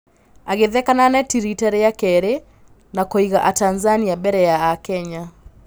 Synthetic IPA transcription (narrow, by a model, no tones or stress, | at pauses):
aɣeðɛkananɛtiɾitɛɾejakɛɾe | nakoiɣaʔatanzaniabɛɾɛjaːkɛɲa